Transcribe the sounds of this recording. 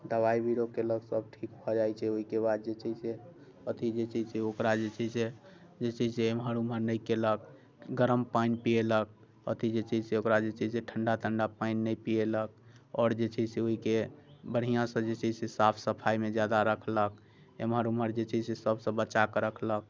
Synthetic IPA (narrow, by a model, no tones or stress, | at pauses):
d̪əβaibiɾokeləɡsəb̚ʈʰikbɔd͡ʒajt͡ʃʰɛoɦikebad̪̚d͡ʒet͡ʃʰɛse | ət̪id͡ʒet͡ʃʰisɛokɾad͡ʒet͡ʃʰɛse | d͡ʒet͡ʃʰɛseemɦəɾuməɾnəjkelək̚ | ɡəɾəmpaɪnpielək̚ | ə̰t̪id͡ʒet͡ʃʰiseokɾad͡ʒet͡ʃʰɛseʈʰəɳɖat̪ʰəɳɖapainːəjpielək̚ɔːɾd͡ʒet͡ʃʰɛseoɦikebəɽ̤ijãsə̃d͡ʒet͡ʃʰɛsesapʰsəpʰajmed͡ʒjad̪aɾəkʰlək̚ | ḛmɦəɾuməɾd͡ʒet͡ʃʰɛsesəbsə̃bəːt͡ʃakɾəkʰlək̚